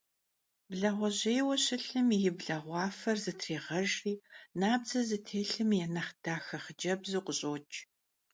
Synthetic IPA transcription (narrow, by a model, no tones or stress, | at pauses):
bɮɐʁʷɔʑeːjwɐɕɪɬɨmjɪbɮɐʁʷɑːfɐrzɨtʰreːʁɐʒriːnaːb̚zɐzɨtʰeːɬɨmjɛnɐχd̥aːxɐχəd͡ʒɐbzuːqʷʊɕʼoːt͡ʃʼ